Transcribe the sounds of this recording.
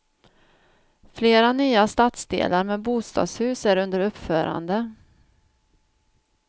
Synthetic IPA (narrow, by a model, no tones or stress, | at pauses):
fleːɾanyːast̪at̪sd̪ḛːlaɾmeːbuːst̪ɑ̰ːd̪shʉ̟ːsæɾɵnd̪əɾɵpːfœːɾa̰nd̪ə